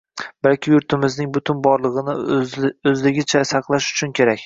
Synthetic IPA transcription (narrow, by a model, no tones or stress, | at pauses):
b̥alkʲɪjʊɾt̪ʰɪmɪznɪŋbʊt̪ʰʊnbɒɾlˠɨʁɨnɪ | ɵzlɪɡʲɪt͡ʃʰasɑqlˠaʃʊ̥t͡ʃʰʊnkʲʰe̞ɾakʲ